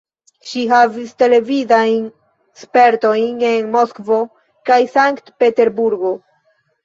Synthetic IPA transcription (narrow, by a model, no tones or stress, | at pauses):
ʃiɦaviste̞le̞vizajn | spe̞ɾto̞jne̞nmoskvo̞ | kajsaŋktpe̞te̞ɾbuɾɡo̞